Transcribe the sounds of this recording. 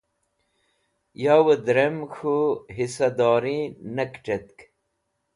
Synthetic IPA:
jaːwəd̪ɾemxuɦisɐd̪ɑːɾĩnɐkʈet̪̚k

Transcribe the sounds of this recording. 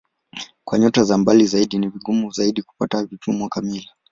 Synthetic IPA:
kwaɲɔtazambalizaiɗiniviɠumuzaiɗiku̥patavitumwakamili

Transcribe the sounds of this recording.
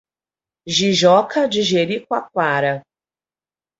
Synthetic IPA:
ʒiʒɔkʰɐd͡ʒɪʒeɾikwak̚waɾɐ

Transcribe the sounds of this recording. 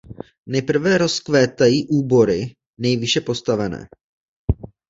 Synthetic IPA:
nɛjpr̩vɛɾo̞skvɛːt̪ajiːʔuːbo̞ɾɪ | nɛjvɪʃɛpo̞st̪avɛnɛ̰ː

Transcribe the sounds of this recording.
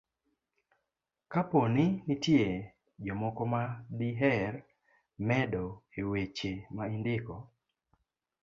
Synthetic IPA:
kaponinitje | d͡ʒɔmɔkɔmadiɦɛr | mɛdɔewet͡ʃemaindɪkɔ

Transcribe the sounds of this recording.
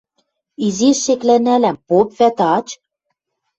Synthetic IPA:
izeʃːeklænælæmpopvæt̪ɑt͡ɕ

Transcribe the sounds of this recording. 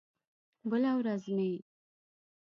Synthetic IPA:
bəlawɾazmei

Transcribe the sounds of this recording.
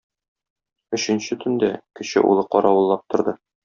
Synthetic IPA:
ɵ̆ɕɘ̆nɕɘt̪ʰɵ̆nd̪ækɘ̆ɕɘ̰ʔṵlˠɤqɒɾɑwɤ̆lˠːɑp̚t̪ŏɾd̪ɤ

